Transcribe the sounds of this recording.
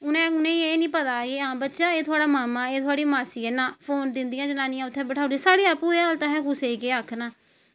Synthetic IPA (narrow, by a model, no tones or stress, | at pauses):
ʊnɛ̃ːʊnẽːieːnĩːpət̪aːɡeːãːbətːʃãːeːt̪ʰʊaːɽaːmaːmãːeːt̪ʰʊaːɽiːmaːsiːɛːnãːpʰoːnd̪ɪnd̪ɪjãːd͡ʒənaːnɪjãːʊt̪ʰːɛ̃ːbəʈʰaːd̪isaːɽeːaːpuːeːaːlt̪ãːɦɛ̃ːkʊseːkeːakʰnaː